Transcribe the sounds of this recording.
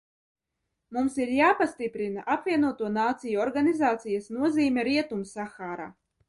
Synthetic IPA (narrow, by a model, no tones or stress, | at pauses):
mumsiɾjaːpast̪ipɾinaʔapvʲiɛnuɔt̪uɔnaːt̪sijuɔɾɡanʲizaːt̪sijasnuɔziːmʲɛɾiɛt̪umsaxaːɾa̰ː